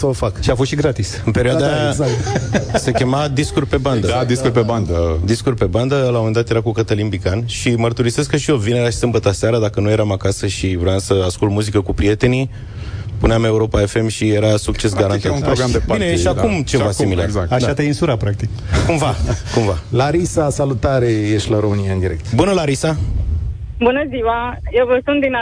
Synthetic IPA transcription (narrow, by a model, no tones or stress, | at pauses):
səofakʃiafost̪ʃiɡɾat̪isɨnpe̞ɾioad̪aazat̪se̞kʲe̞mad̪iskurʲpe̞band̪əad̪iskurʲpeband̪əd̪iskurʲpe̞band̪əlamome̞nd̪at̪jeɾakukət̪əlinbikanʃimərt̪uɾise̞skəʃiovineɾaʃi̥sɨmbət̪aseaɾəd̪akənuje̞ɾamakasəʃivɾoamsəaskult̪muzikəkupɾie̞t̪e̞ni | puneame̞uɾo̞pae̞fe̞mʃijeɾasuk̚t͡ʃe̞s̬ɡaɾant̪at̪unpɾoɡɾamd̪ebaineʃiaumt͡ʃevaskimila̰ɡzaat͡ʃast̪əinsuɾapɾak̚t̪ik | kumvakumvalaɾisasalut̪aɾejeʃt̪ʲlaɾomɨniaɨnd̪iɾek̚t̪bunəlaɾisa | bunəziwajevəsunt̪d̪ina